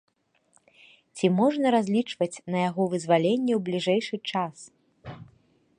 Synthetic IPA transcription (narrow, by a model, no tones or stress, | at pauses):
t͡sʲimɔʐnɐɾazʲlʲit͡ʂvɐt͡sʲnɐjaɣɔvɨzvalʲenʲːɛwblʲiʐɛjʂɨt͡ʂas